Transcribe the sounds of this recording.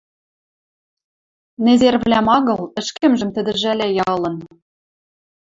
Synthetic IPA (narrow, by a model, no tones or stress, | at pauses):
nezervlʲæmɑɣɤ̆lˠɘ̆ʃkɘ̆mʒɘ̆mt̪ɘ̆d̪ɘ̆ʒælʲæjɑlˠɤ̆n